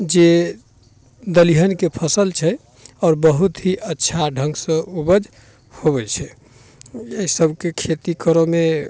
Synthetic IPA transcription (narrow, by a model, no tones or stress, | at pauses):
d͡ʒe | d̪əliɦənkepʰəsəlt͡ʃʰɛ | ɔːɾbəɦut̪ɦiʔətːʃʰaɖʱəŋɡsə̃ubəd͡ʒ | hoβɛt͡ʃʰɛ | esəbʱkekʰet̪ikəɾome